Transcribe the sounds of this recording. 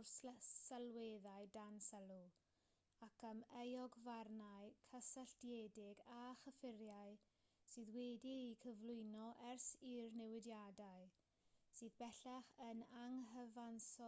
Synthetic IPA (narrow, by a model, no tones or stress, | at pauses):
rssalˠweðaɨdansɛlˠu | akʰəmejɔɡvarnajkʰəsəɬd̥jedɪɡaχəfɪɾjaɨ | sɨːðwɛdiːkʰəvlˠʊɨnɔʔɛrsirnɛwɪdjadaɨ | sɨːðbɛɬaχənaŋɦəvansɔ